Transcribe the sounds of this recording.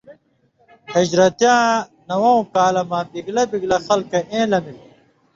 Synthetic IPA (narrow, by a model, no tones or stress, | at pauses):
hid͡ʑɾɐt̪jãːnɐwow̃kaːlɐmabiɡlɐbiɡlɐxɐlkɐʔẽːlɐmil